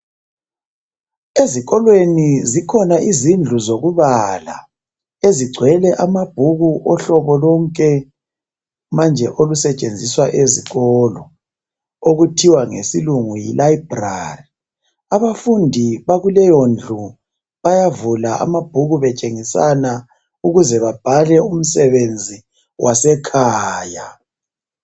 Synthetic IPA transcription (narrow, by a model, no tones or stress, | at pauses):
eziɣɔlwenizikʰɔnaʔizind͡ɮʱuzoɣuβala̰ | eziɡ͡ǀʱwɛlɛʔamab̥ʱuɣuʔɔɬɔβɔlɔŋkʼɛ | mand͡ʒʱɛʔolusɛt͡ʃʼend͡zʱiswaʔeziɣɔlɔ | oɣutʰiwaŋesiluŋujilaib̥ra̰ri | aβafundʱiβaɣulɛjɔnd͡ɮʱu | βajavulaʔa̰mab̥ʱuɣuβɛt͡ʃʼeŋisana | uɣuzɛβab̥ʱalɛum̩sɛβend͡zʱi | wʔasɛkʰaːja